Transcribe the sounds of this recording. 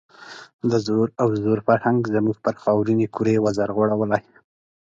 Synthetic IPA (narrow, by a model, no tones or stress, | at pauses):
d̪əzoɾawzoɾfaɾhaŋɡzəmuɡpəɾxɑwɾinekuɾewazaɾɣoɽawəlaj